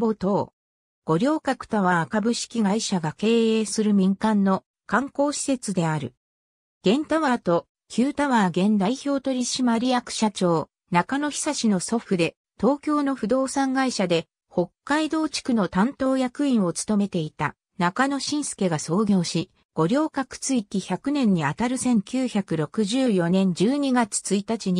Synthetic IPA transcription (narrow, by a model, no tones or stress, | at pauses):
bot̪o̞ː | ɡ̥o̞ɾʲo̞ːkakɯ̟̥t̪aβaːkabɯ̟ɕi̥kʲiɡaiɕaɡake̞ːeːsɨɾɯ̟mʲĩŋkãnːo̞ | kãŋko̞ːɕi̥se̞t͡sɨd̪e̞aɾɯ̟̰ | ɡ̥ẽ̞nt̪aβat̪o̞ | kʲʰɨːt̪aβaɡẽ̞nd̪aiçʲo̞ːt̪o̞ɾʲiɕimaɾʲijakɯ̟̥ɕat͡ɕo̞ː | nakano̞çi̥saɕino̞so̞ɸɯ̟d̪e̞ | t̪o̞ːkʲo̞ːno̞ɸɯ̟d̪o̞ːsãŋɡaiɕad̪e̞ | ho̞kːaid̪o̞ːt͡ɕi̥kɯ̟no̞t̪ãnt̪o̞ːjakɯ̟ĩɰ̃o̞t͡sɨ̥t̪o̞me̞t̪e̞it̪a̰ | nakano̞ɕĩɰ̃sɨ̥ke̞ɡaso̞ːɡʲo̞ːɕi | ɡ̥o̞ɾʲjo̞ːkakɯ̥t͡sɨikʲiçakɯ̟nẽ̞ɲ̟ːiat̪aɾɯ̟sẽ̞ŋkʲɨːçakɯ̟ɾo̞kɯ̟ʑɨːjo̞nẽ̞ɲ̟d͡ʑɨːɲ̟iɡat͡sɨ̥t͡sɨit̪at͡ɕiɲ̟i